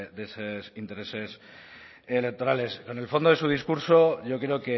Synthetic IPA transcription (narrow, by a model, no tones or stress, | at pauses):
d̪esesint̪e̞ɾe̞se̞s | ele̞k̚t̪oɾale̞sko̞ne̞lfo̞nd̪oe̞suð̞iskuɾso̞ʝo̞kɾe̞oke̞